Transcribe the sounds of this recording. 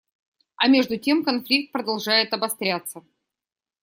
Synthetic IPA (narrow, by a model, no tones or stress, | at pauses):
ɐmʲe̞ʐd̪ʊtʲe̞mkɐnflʲik̚t̪̚pɾəd̪ɐlˠʐajɪt̪ɐbɐst̪ɾʲat̪sːə